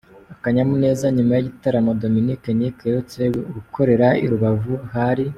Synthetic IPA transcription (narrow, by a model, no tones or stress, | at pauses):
akaɲamune̞ːzaɲimajiɟitaɾamodo̞minikenikeɾut͡seɡɡukʰo̞ɾe̞ɾaḭɾuβavuɦaɾi